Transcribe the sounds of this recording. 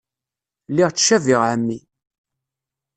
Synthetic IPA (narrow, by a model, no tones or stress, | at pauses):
lːiʁt͡sːʃævɪʁʕəmːi